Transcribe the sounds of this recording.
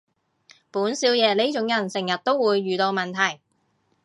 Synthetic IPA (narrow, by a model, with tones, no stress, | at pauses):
puː˨˥nsiː˨˥wjɛː˨˧le˥jt͡ʃʊ˨˥ŋjɐ˨˩nsɪ˨˩ŋjɐ˨˩t̚t̪o˥wːuː˨˧jːyː˨t̪o˧wmɐ˨nt̪ʰɐ˨˩j